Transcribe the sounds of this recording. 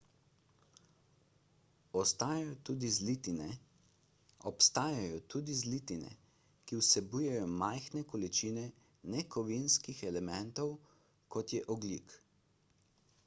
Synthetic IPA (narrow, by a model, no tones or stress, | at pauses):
ɔst̪aːjajɔt̪uːd̪izlit̪inɛ | ɔpst̪aːjajɔt̪uːd̪izlit̪inɛ̰ | kiwsɛbujɛjɔmajxnɛkɔlit͡ʃinɛ | nɛkʰɔʋinskixɛlɛmɛnt̪ɔw | kɔt̪jɛʔɔɡlḭk